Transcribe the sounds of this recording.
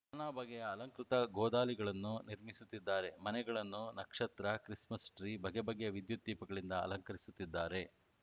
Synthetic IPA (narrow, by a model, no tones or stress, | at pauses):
ɐnaːbɐɡɛjɐːlɐŋkɾut̪ɐɡɔːd̪aːliɡɐɭɐnːuniɾmisut̪ːid̪ːaːɾe̞mɐnɛɡɐɭɐnːunɐkʂɐt̪ɾɐkɾismɐsʈɾiːbɐɡebɐɡːeɐʋid̪jut̪̚d̪iːpɐɡɐɭind̪ɐɐ̰lɐŋkɐɾisut̪ːid̪ːaːɾe̞